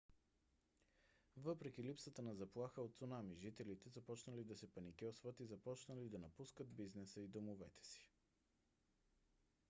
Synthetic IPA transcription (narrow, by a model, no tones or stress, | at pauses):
vɤpɾɛk̟ilipsət̪ənɐzɐplˠaxəot̪sonamiʒit̪ɛlit̪ɛzɐpɔt͡ʃnəlid̪ɐsɛpɐnikʲɛsvət̪izɐpɔt͡ʃnəlid̪ɐnɐpuskəd̪biznɛsəid̪omovɛt̪ɛ̥si̥